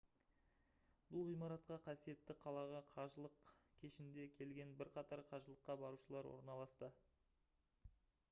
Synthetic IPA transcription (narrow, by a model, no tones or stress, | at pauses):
b̥ʊlˠʁijmɑɾɑt̪qɑqʰɑsije̞t̪ːɪqʰɑlˠɑʁɑqʰɑʒəlˠəqkʲʰe̞ʃɪnd̪e̞kʲʰe̞lɡʲe̞nbɪɾqʰɑt̪ɑɾqʰɑʒəlˠəqːɑbɑɾuʃəlˠɑɾwo̰ɾnɑlˠɑst̪ə